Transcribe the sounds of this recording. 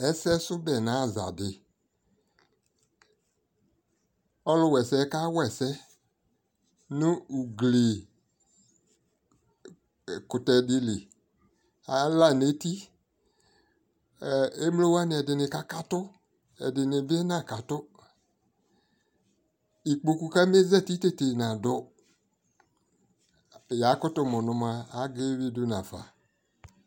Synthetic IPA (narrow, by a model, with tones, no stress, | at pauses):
ɛ˨˦sɛ˦sʊ˦bɛ˨nã˨˦˨za̰˨dɪ˨ | ɔ˦lʊ˧wɛ˨sɛ˧˦ka˦wɛ˨sɛ˦ | nʊ̃˦u˨ɡle˨ | kʊ˨tɛ˨dɪ˧lɪ˨ | a˨˦la˦˨ne˨˦ti˦˨ | e˦m˦lo˦wa˦nɪ˨ɛ˨dɪ˨nɪ̃˨ka˦ka˦tʊ˦ | ɛ̰˨dɪ˨nɪ̃˨bɪ˦ɛ˦nã˦˨ka˨tʊ˦ | i˨k͡po˨ku˨ka˦m˦e˦zɛ˦˨ti˦te˦te˨n˨ã˨dɔ˦ | ja˨˦kʊ˦tʊ˦mɔ̃˨nʊ̃˨mã˧a˦ɡe˦wi˦dʊ˦nã˨fa̰˨